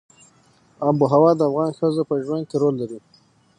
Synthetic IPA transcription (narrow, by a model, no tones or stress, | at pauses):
abuɦawɑd̪əafɣɑnxəzopəʒwand̪̚keɾolːaɾi